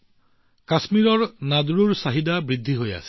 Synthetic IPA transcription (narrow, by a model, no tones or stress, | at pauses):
kasmiɹɔɹnaduɹuɹsaɦidabɹid̪ʱːiɦoja̰si̥